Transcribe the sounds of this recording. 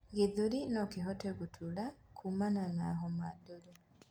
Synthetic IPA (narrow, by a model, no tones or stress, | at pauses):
ŋɡiðulinokiɦotekutʰulakʰumananaɦomadole